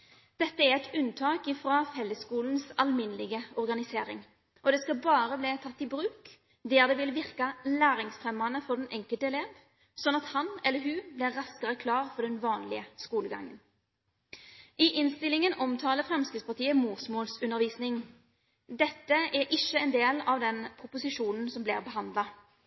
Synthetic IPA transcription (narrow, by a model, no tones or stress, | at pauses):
d̪̥ɛt̪ːəæʁɛt̪ʉnt̪ʰɑːkɪːfʁɑːhɛlːəskuːln̩sɑlmɪnəlɪɡəɔʁɡɑnɪseːɾɪ̰ŋ | ʔɔd̪ɛskɑlbɑːɾəbleːt̪ʰɑt̪ːɪbɾʉːk | d̪eːʁd̪ɛʋɪlʋɪʁkɑlæːɾɪŋsfʁɛmɑnəfɔd̪ɛnʔɛŋkəlt̪əɛleːʋ | sɔnːɑt̪hɑnɛlːəɦʉːblɪʁːɑskəʁəkʰlɑːʁfɔɖ̪ɛnʋɑːnlɪəskuːləɡɑ̰ŋːən | ʔɪʔɪnst̪ɪlɪŋənʔɔmt̪ʰɑːləfɾɛmskɪspɑʁt̪ʰiːəmuːsmoːlsʉnːəɾʋiːsnɪŋ | d̪ɛt̪ːəæɾʔɪʃəɛnd̪eːlɑʋd̪ɛnpʰɾʊpʊsɪʂuːnən̩sɔmblɪ̰ʁbəɦɑnd̪lɑ